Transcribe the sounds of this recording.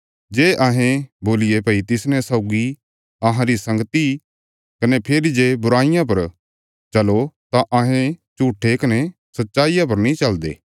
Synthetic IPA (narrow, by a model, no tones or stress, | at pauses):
d͡ʒeːʔɐɦẽboːlɪjepɐit̪ɪsnɛ̃saʊɡi | ɐɦãɾisɐ̃ŋɡət̪i | kɐnepʰeːɾid͡ʒeːbʊɾaːɪjãp̬ɐɾ | t͡ʃɐlot̪aʔɐɦẽt͡ʃuːʈʰːekɐne | sɐtːʃaːijap̬ɐɾnĩt͡ʃɐld̪ḛː